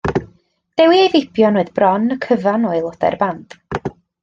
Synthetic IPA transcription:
d̥ɛwiejvɪbjɔnoɨðbrɔnəkʰəvanɔɨlˠɔdɛ̰rband̥

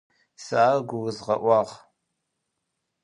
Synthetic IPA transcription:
saːɡʷʊwʊzʁɐ̰ʔʷɑːʁ

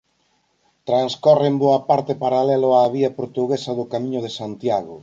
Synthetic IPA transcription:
t̪ɾanskɔremboɐpaɾt̪ɪpaɾalɛlʊaβiɐpoɾt̪uɣesɐðʊkamĩɲʊðesant̪jaɣʊ

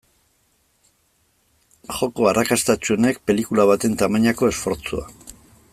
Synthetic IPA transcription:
xo̞ko̞arʔakast̪at͡ʃuene̞k̚pe̞likulaβ̞at̪e̞nt̪amaɲako̞e̞sfo̞ɾt͡sua̰

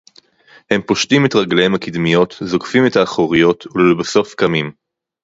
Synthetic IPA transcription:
he̞mpo̞ʃtimetʁaɡlehemhakid̪mijo̞t̪zo̞kfime̞taːχoʁijo̞tʰulolbaso̞fkamim

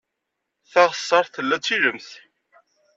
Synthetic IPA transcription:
θæʁəsˤːɑɾˤθəlːæt͡sːiɾəmθ

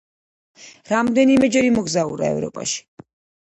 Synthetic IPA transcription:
ɾamd̪ɛnimɛd͡ʒɛɾimɔɡzauɾa̰ɛ̰vɾɔ̰pʼa̰ʃi̥

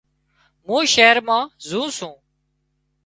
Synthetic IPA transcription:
mũːʃeːəɾmãːzũːsũː

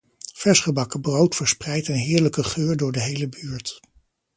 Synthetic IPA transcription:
v̥ɛɹsχəbɑkəbrowtfəɹsprɛjtənɦɪːɹləkəχøːɹdʊːɹdəɦejləbyːɹt

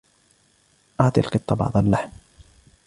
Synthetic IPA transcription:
ʔɑʕt̪ˤilqɨt̪ˤːɑbɑ̰ʕd̪ˤɑlːaħm

